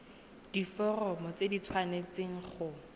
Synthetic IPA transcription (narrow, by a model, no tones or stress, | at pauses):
d̥ifɔrɔmɔt͡sedit͡sʰwanet͡seŋ̩χʊ